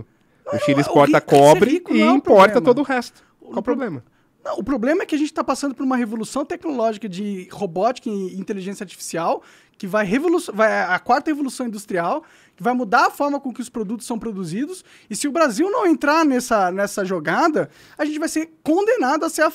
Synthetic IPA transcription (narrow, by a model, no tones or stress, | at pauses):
ʊʃĩd͡ʒispɔɾt̪ɐkɔbɾɪikʊ̃ĩpɾpɔɾt̪ɐ̃mɐotd̪ʊhɛst̪ʊ̥ | awpɾoblẽmɐ | nɐ̃w̃ʊpɾoblẽmɐɛkɪɐʒẽnt͡ʃɪt̪apasɐ̃nd̪ʊpoɾũmɐɦevolusɐ̃w̃t̪ɛknolɔʒikɐd͡ʒɪhobɔt͡ʃi̥kɐɪĩt̪eliʒẽsjɐaɾt͡ʃi̥fi̥siaw | kɪvajɦevolusvajɛɐkwaɾt̪ɐhevolusɐ̃w̃ĩd̪ust̪ɾiaw | kɪvajmud̪aɾɐfɔɾmɐkõkɪʊspɾod̪ut̪ʊsːɐ̃w̃pɾod̪uzid̪ʊs | ɪsɪʊbɾaziwnɐ̃w̃ẽnt̪ɾanɛsɐnɛsɐʒoɡad̪ɐ | aʒẽnt͡ʃɪvajseɾkõnd̪enad̪ʊɐseɐ